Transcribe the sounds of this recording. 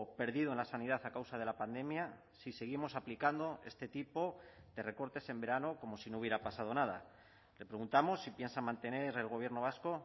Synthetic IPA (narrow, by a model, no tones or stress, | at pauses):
pe̞ɾðiðo̞enlasaniðaθakawsaðe̞lapand̪e̞mja | sise̞ɣ̞imo̞saplikand̪oe̞̰st̪et̪ipo̞ðe̞re̞ko̞ɾt̪e̞se̞mbe̞ɾano̞ko̞mo̞sinouβje̞ɾapasað̞o̞nað̞a̰ | lepɾe̞ɣunt̪amo̞sːipje̞nsamãnt̪e̞ne̞ɾe̞lɣ̞o̞β̞je̞ɾno̞β̞asko̞